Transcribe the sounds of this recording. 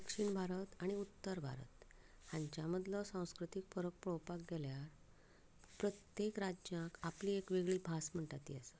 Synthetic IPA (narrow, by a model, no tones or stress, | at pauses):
d̪əkʂiːɳbʱaɾət̪aɽ̃iut̪ːəɾbʱa̰ɾə̰t̪ | hãɲt͡ɕjaməd̪lɔsãw̃skɾut̪ik̚fəɾək̚pɭowpak̚ɡeljaɾ | pɾət̪jekɾad͡ʑãkapliːekʋeɡɭiːbʱasm̤əɳʈat̪ḭːəsə